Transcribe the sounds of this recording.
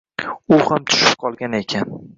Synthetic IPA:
ʊhamt̪ʰʊ̥ʃɪ̥p̚qʰɒlˠɡʲane̞kʲʰan

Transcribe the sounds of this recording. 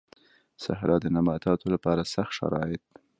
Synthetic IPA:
sa̰hɾʔɑd̪ənamɑt̪ɑt̪olapɑɾasaxt̪ʃa̰ɾɑ̰ɪt̪̚

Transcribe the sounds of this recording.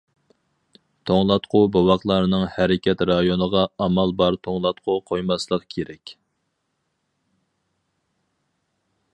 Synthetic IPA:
t̪ʰoŋlˠɑt̪qʰʊbowɑχlˠɑɾɨnɨŋhɛɾɪkʲʰɛt̪ɾɑjonəʁɑɑmɑlˠbɑɾt̪ʰoŋlˠɑt̪̚qʰʊqʰojmɑslˠəqkʲʰeɾɛkʲ

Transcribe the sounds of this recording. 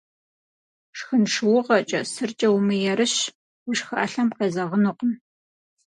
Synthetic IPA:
ʂxɨnʂɨwʊʁɐt͡ʃʼɐ̰sɨrt͡ʃʼɐwʊmɨjɛɾɨɕ | wʃxɐʔːɬɐmqezɐʁənʊqən

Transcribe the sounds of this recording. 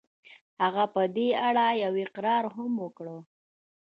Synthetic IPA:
haɣapəd̪eaɽajawɪqɾɑɾɦʊmwəkɽə

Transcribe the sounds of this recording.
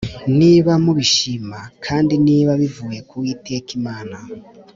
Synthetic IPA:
niβamuβiʃimakʰaːndiniβaβivujekuitʰekimaːna

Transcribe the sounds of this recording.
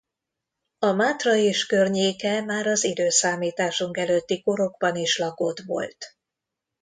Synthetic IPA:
ɒmaːt̪rɒeːʃkørɲeːkɛmaːɾɒzid̪øːsaːmiːt̪aːʃuŋkɛløt̪ːiko̞ɾo̞ɡbɒniʃlɒko̞t̪ʋo̞̰lt̪

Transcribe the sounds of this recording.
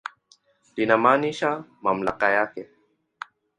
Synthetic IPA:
tinamaniʃamamla̰qajake

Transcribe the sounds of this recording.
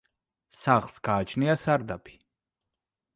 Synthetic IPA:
saχlˠsɡ̥aːt͡ʃʰniasaɾd̪apʰi̥

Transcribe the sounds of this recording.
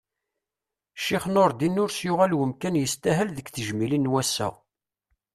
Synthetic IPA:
ʃiχnoɾˤd̪inːʊɾsjʊʁælwəmkænjəst̪æɦælðəkθəʒmilinːwæsæ̰

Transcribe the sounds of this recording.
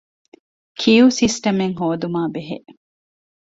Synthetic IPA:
kʰiuːsisʈɐmeŋɦoːd̪umaːbeɦḛʔ

